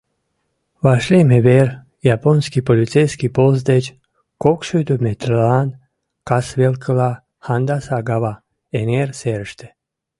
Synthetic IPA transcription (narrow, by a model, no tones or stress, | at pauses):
ʋaʃlʲemeveɾ | japonskipolʲit͡s̪ejskipoz̬d̪et͡ʃ | kokʃud̪umet̪rlan | kasʋelkəla | hand̪asaɡaʋa | eneɾseɾʃt̪e